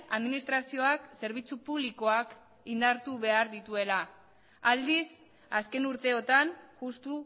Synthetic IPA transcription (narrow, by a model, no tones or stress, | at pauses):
aðminist̪ɾasio̞akse̞ɾβ̞it͡supuβliko̞ak | ind̪aɾt̪uβe̞aɾðit̪ue̞la | ald̪is | aske̞nuɾt̪e̞o̞t̪anʝust̪u